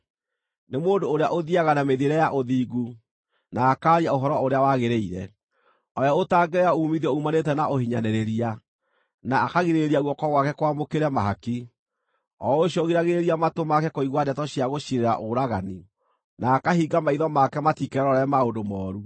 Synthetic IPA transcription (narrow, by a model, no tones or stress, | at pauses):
nemoːndoːɾeaʔoðiaɣanameðieɾɛjaʔoðiːɡu | naːkaːɾiaoɦɔɾɔoɾeawaɣeɾeiɾɛ̰ | ɔjaotaɡɛjauːmiðɔumanetɛnaʔohiɲanɛɾeɾia | naːkaɣiɾeɾauɣɔkɔɣwakɛkwamokeɾɛmaɦaki | ɔoɕjɔɣiɾaɣeɾeɾiamatomakɛkoiɣwadɛtɔɕiaɣoʃiɾeɾa̰ʔoɾaɣani | naːkahiɡamaiðɔmakɛmatikɛɾɔɾaɛɛmaondomɔːɾu